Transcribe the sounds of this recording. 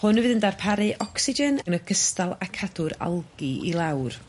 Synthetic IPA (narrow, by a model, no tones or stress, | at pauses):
hʊnvɨðəndarpʰaɾɨʔɔksɪd͡ʒɛnənəɡəstalˠakʰadʊɾa̰lˠɡiḭlˠawr